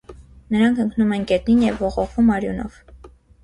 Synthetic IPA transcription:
nəɾɑŋkʰəŋknumɛnɡɛt̪ninjɛvːɔʁɔχvumɑɾjṵnɔ̰v̥

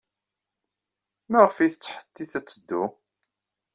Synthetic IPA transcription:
mæʁəfiθət͡sːħə̥t̪ːiθæt͡sːəd̪ːu

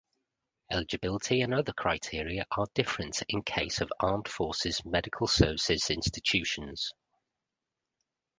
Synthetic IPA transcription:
ɛ̰lɪd͡ʒɪbɪlɪtʰiə̃nʌðəkʰɹ̥aɪtʰɪəɹiəʔəd̥ɪfɹə̃ntɪ̃nkʰeɪsəvɑːmd̥fɔˑsɪz̥mɛdɪkʰəlˠsɜːvɪsɪz̥ɪ̃nstɪt͡ʃʰʉˑʃə̃nz̥

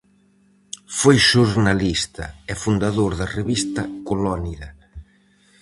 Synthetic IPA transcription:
fojʃuɾnalist̪ɐ̰ɛfund̪aðoɾðɐreβist̪ɐkolɔniðɐ

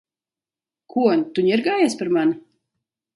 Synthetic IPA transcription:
kuɔnt̪uɲiɾɡaːjaspaɾmanu

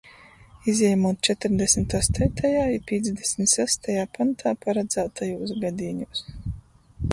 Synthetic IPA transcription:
izʲjɛjmuːt̪̚t͡ʃɛt̪ɪɾd̪ɛsmit̪aːst̪ɛt̪ajaːipʲiɛd̪zd̪ɛsmʲt̪sæst̪ajaːpant̪ʰaːpaɾad̪zæːt̪ʰajuːs̬ɡad̪iːɲuːs

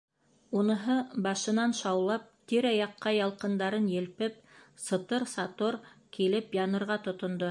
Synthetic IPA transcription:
unɤ̆ɦɤbɑʃɤ̆nɑnʃɑwlˠɑp̚t̪iɾæjɑqːɑjɑlˠqɤ̆nd̪ɑɾɤnjɘ̆lpɘp̚ | sɤ̆t̪ɤɾsɑt̪oɾkilɘpjɑnɤ̆ɾʁɑt̪ŏt̪ŏnd̪o

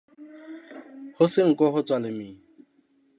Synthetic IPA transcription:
hoseŋ̩kɔɦot͡swalɪmi

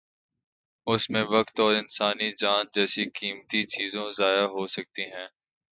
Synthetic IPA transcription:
ʊsmẽʋɐkt̪ɔːɾɪnsaːnid͡ʒaːnd͡ʒɛːsikiːmt̪it͡ʃiːzõzaːjaɦoːsɐk̚t̪iɦɛ̃ː

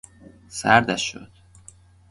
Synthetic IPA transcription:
sæɾd̪æʃːo̰d̪̥

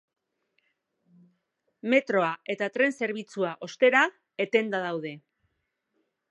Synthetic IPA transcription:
me̞t̪ɾo̞ae̞t̪at̪ɾe̞nse̞ɾβit͡suaʔo̞st̪e̞ɾa | e̞t̪e̞nd̪að̞awð̞e̞

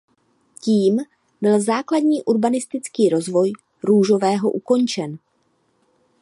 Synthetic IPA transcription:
ciːm | bɪlzaːkladɲiːʔuɾbanɪst̪ɪt͡skiːɾo̞zvo̞j | ɾuːʒo̞vɛːɦo̞ʔuko̞nt͡ʃɛn

